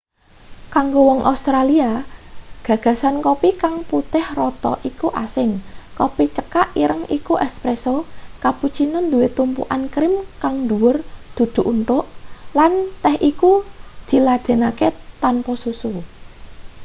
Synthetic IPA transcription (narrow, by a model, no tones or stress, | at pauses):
kaŋɡowɔŋʔa̰ust̪ɾalia | ɡ̥ä̤ɡ̥ä̤sankopikaŋput̪ɪhrɔt̪ɔ̰ʔikuʔasɪnkopit͡ʃəkaʔiɾəŋikuʔɛspɾesokaput͡ʃinənd̪uwet̪umpṵʔankɾɪmkaŋd̪uwʊrd̪̥ṳd̪̥ṳʔunʈ̪ʊʔlant̪ɛhʔikud̪̥i̤lad̪̥e̤naket̪anpɔsusu